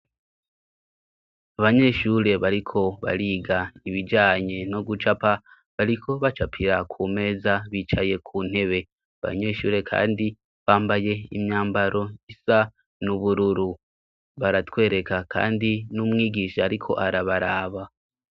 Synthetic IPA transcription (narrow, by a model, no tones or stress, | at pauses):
aβaɲe̞ʃuɾe̞βaɾikʰo̞βa̰ɾiːɡaiβid͡ʒaːɲe̞no̞ɡut͡ʃapa | βaɾikʰo̞βat͡ʃapʰiɾakʰuːme̞ːzaβiːt͡ʃaje̞kʰuːn̥he̞βe̞ | aβa̰ɲe̞ʃṵːɾe̞kʰa̰ːndi | βaːmbaje̞ḭmɲaːmbaɾo̞isa | nuβuɾuɾu | βaɾatwe̞ːɾe̞kakʰa̰ːndinumŋiːɡiːʃaːɾikʰo̞̰ʔaɾaβaɾaːβa